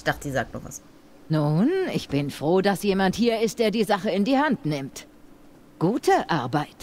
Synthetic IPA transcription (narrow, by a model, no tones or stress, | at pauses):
çd̥aχtəiːzaːk̚tnṵɐva̰s | nuːnɪçb̥ɪnfʁ̥oːdasjeːmanthiːɐɪst̚d̥eːɐdiːzaχəɪndiːhantnɪmt | ɡ̥uːtʰəʔaɐbaɪt